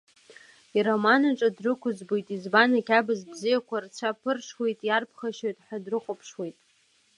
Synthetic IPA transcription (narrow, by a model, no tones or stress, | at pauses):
iɾomanaʈ͡ʂʼadrɨkʷʰʊzbojtʼizbanakʲʰabɨzbzijakʷʰart͡sʷʰapʰɨrʂwejtʼjarpʰχaʃojtʼħadrɨχʷopʰʂwejtʼ